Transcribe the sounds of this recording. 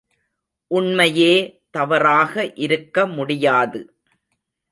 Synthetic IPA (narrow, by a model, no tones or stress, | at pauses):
ʔʊɳmɐjeːt̪ɐʋɐɾaːɣɐʔɪɾɯkːɐmʊɽɪjaːðɯ